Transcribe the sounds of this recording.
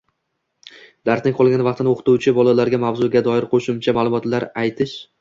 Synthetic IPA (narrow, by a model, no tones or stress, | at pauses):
d̪̥aɾsɪŋqʰɒlˠɡʲanvɑqt̪ʰɪnɪoqʰɨt̪ʊwt͡ʃʰɪbɒlalaɾɡʲamavzʊɡʲad̪ɒɪɾqʰoʃʊmt͡ʃʰamaːlˠʊmɒt̪laɾajt̪ʰɪʃ